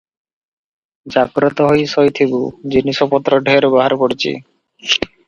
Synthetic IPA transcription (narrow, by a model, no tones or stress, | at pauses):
d͡ʑaɡɾot̪oɦojsojt̪ʰibud͡ʑiniʃopɔt̪ːɾoɖʱeɾbaɦaɾpoɾt͡ɕḭ